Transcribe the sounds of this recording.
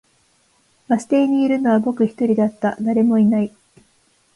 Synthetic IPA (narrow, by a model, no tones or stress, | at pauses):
βasɨ̥t̪e̞ːɲ̟iːɾɯ̟no̞β̞abo̞kɯ̟çi̥t̪o̞ɾʲid̪at̪ːad̪aɾe̞mo̞inai